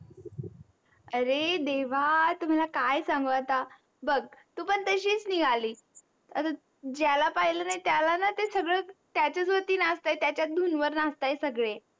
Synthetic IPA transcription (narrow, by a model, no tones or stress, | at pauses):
əɾed̪eʋ̤at̪um̤alakajsãŋɡət̪a | bəɡt̪uːpəɳt̪əɕiːt͡sniɡʱaliː | ət̪a | d͡ʑjalapaɦilənajt̪jalanat̪esəɡɭət̪jat͡ɕət͡sʋət̪iːnast̪ajt̪jat͡ɕjat̪̚d̪ʱunʋəɾnast̪ajsəɡɭe